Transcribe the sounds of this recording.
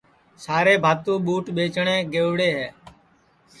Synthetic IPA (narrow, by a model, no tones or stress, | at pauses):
saːɾeːbʱaːt̪ũːɓuːʈɓeːt͡ʃɳeːɡeːʋɽeːɦɛː